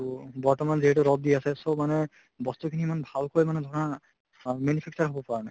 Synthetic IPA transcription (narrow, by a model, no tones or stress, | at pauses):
bɔɹtɔmanziɦɛtuɹɔb̚diasɛsɔbmanɛ | bɔst̪ukʰiniɛmanbʱalkojmanɛd̪ʱɔɹɔna | menipʰɛk̚t͡ʃaɹɦɔbɔpaɹanaj